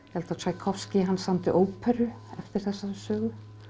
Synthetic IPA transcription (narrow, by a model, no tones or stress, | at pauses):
hɛlt̪atʰaːjkʰɔfscɪɦanːsamt̪ɪʔoːwpʰœɾʏ | ɛft̪ɪɾ̥θɛsːasœːɣʏ